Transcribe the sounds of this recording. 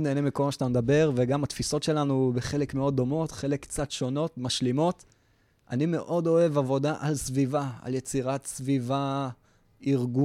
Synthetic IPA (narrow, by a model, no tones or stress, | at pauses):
neːnemiko̞lmaʃat̪amd̪abe̞ʁveɡamat̪fiso̞tʃe̞lanubeχe̞le̞kmeo̞d̪ːo̞mo̞tχe̞lekːt͡sat̪ʃo̞no̞t̪maʃlimo̞t̪ | ʔa̰nime̞ʔo̞d̪o̞e̞vavo̞daʔalsvivaa̰lje̞t͡siʁat̪sviva | iʁɡu